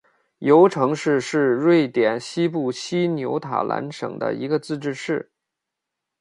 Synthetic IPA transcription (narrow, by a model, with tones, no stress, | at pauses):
jo˧˥ʊʈ͡ʂʰɤ˧˥ŋʂɻ̩˥˧ʂɻ̩˥˧ɻwe˥˩ɪt̪jɛ˨˩nɕi˥pu˥˩ɕi˥njo˧˥ʊt̪ʰa̰˨˩lʔa̰˧˥nʂɤ̰˨˩ŋd̪ə̰˦i˧˥ɡə˧t͡sɹ̩˥˧ʈ͡ʂɻ̩˥˧ʂɻ̩˥˩